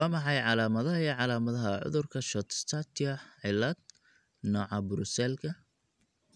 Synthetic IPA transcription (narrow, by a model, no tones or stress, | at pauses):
ɑmɑħɑjʕɑlaːmɐðɐɦɐiːʕɑlaːmɐðɐɦɐʕʊ̰ðʊrkʰɐʃɔt̪st̪ʰat̪ʰiɐʕɪlɐd̪̚ | nɔːʕɑbʊɾʊsɛlkʰɐ